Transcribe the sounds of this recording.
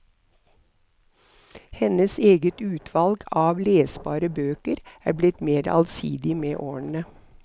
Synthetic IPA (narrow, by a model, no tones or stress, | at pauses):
hɛnəseːɡət̪ʉːt̪ʰʋɑlɡɑːʋleːsbɑ̰ːɾəbøːkəɾæ̰ːblɪt̪meːɾɑ̰lsḭːd̪ɪmeːʔoːn̩ə